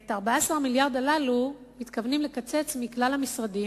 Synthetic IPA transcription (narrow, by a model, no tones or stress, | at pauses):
etaʁbaaasaʁmiljaʁd̪alalumit̪kavnimlekat͡se̞t͡smiklalhamisʁadi